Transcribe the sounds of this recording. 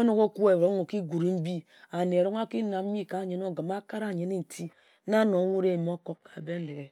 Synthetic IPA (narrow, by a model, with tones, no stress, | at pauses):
o˦no˦ko˦ku˦e˨o˦ŋo˨ki˦ɡu˨ɾi˨m̩˦bi˦ | a˨ne˨o˨ɾo˦ŋ˦a˦ki˦na˨m̩˦i˦ka˨ɲe˦no˦ɡa˨ma˦ka˦ɾa˦˨ɲe˦ni˦n̩˨tʰi˦ | na˦no˨˦ŋʷu˦ɾe˦˨m˦o˦ko˦kːa˨be˦n̩˦le˨ɡe˨